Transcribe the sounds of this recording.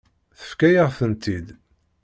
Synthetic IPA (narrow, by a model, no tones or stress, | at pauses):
θə̥fkæjəʁfənt̪id̪